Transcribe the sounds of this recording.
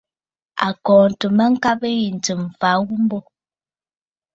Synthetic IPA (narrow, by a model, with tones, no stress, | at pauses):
a̰˨kɔ̃ː˨n˨tə˨mə˦ŋ̩˦ka˦bə˦ji˨n̩˨tə˨m̩˨fa˨˦wu˦m˦bɔ˦